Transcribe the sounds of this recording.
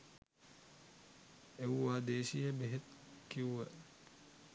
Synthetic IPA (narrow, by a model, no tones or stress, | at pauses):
ewːaːd̪eːʃijɐbeɦet̪kiuʋə